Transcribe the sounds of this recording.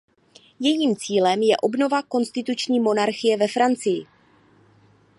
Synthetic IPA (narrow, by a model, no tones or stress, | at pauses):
jɛjiːmt͡siːlɛmjɛʔo̞bno̞vako̞nst̪ɪt̪ut͡ʃɲiːmo̞naɾxɪjɛvɛfɾant͡sɪjɪ